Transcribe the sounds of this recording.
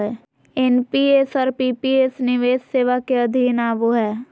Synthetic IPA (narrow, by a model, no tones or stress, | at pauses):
ɛ | enpiesaɾpiːpieːsnɪʋeːsseːʋakeɐd̪ʱiːnaːʋoɦɛː